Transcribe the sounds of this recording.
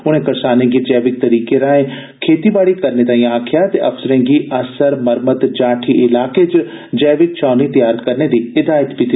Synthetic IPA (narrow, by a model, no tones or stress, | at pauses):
ʊɽ̃ẽːkɐɾsaːnẽːɡid͡ʒɛːʋɪk̚t̪əɾiːkeɾãːẽː | kʰeːt̪ibaːɽiːkəɾnet̪ãːĩaːkʰɪjaːt̪ḛːʔɐfsəɾɛ̃ːɡiːʔəsəɾməɾmət̪d͡ʒaːʈʰiʔɪlaːket͡ʃ | d͡ʒɛːʋɪk̚t͡ʃaːnit̪jaːɾət̪kəɾneːd̪iːɪd̪aːjət̪pɪt̪i